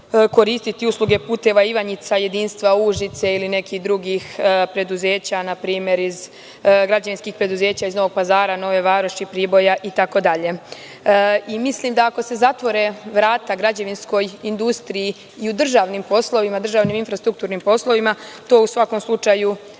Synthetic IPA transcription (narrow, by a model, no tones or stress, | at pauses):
ko̞ɾiːst̪it̪iuslˠuɡe̞puːt̪e̞ʋaiʋaɲit̪saje̞d̪iːnst̪ʋauʒit̪seiline̞kixd̪ɾuɡixpɾe̞d̪uze̞ːt͡ɕanapɾiːmje̞ɾiz | ɡɾad͡ʑaʋinskixpɾe̞d̪uze̞ːt͡ɕaizno̞ʋo̞ɡ̚pazaːɾano̞ʋe̞ʋaːɾoʃipɾibo̞jaʔit̪ako̞d̪aʎe̞ | imisliːmd̪aako̞se̞zat̪ʋo̞ɾe̞ʋɾaːt̪aɡɾad͡ʑaʋinsko̞jind̪ust̪ɾiji | iud̪r̩ʒaːʋnimpo̞slˠo̞ʋimad̪r̩ʒaːʋniminfɾast̪ɾuk̚t̪uːɾnimpo̞slˠo̞ʋimat̪o̞ːusʋako̞mslˠut͡ʃaju